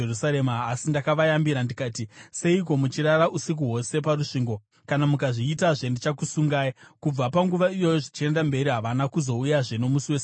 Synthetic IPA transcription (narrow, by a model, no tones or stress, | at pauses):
erusaɾemaːsindakaʋajambiɾandikaːtise̞iko̞mut͡ʃiraraʔusik̬uɦwo̞se̞p̬aruʂiːŋɡo̞ | kanamukaʐiːtaʐe̞ndit͡ʃakusuŋɡaːikub͡vapaŋɡuʋaijo̞joʐit͡ʃie̞ndambe̞ɾiɦaʋanakuzo̞ujaʐeno̞musiwe̞s